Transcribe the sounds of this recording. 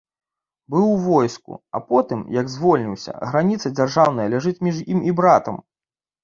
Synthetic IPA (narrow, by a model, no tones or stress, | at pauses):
bɨwvɔjskṵɐ̰pɔt̪ɨmjɐɡzvɔlʲnʲiwsʲɐ̰ɣɾanʲit̪sɐd͡zʲarʐawn̪ɐjɐlʲaʐɨt͡sʲmʲiʐimibɾat̪ɐ̰m